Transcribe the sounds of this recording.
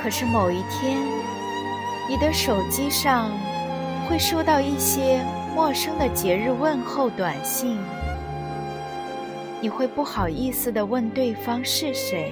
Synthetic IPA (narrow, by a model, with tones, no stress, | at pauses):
kʰɤ˨˩ʂɻ̩˥˩mo˨˩ʊi˥˩t̪ʰjɛ˥n | ni˨˩d̪ə˧˥ʂo˨˩ʊt͡ɕi˥ʂɑ˥˧ŋ | xwe˥˩ɪʂo˥˧ʊt̪ɑ˥˧ʊi˥˩ɕjɛ˥ | mwɔ˥˩ʂɤ˥ŋd̪ə˨t͡ɕjɛ˧˥ɻɻ̩˥˧wə˥˧nxo˥˩ʊt̪wa˨˩nɕi˥˩ŋ | ni˨˩xwe˥˧ɪpu˥˩xɑ˨˩ʊi˥˧sɹ̩˨˩d̪ə˩wə˥˧nt̪we˥˩ɪfɑ˥ŋʂɻ̩˥˩ʂe˧˥ɪ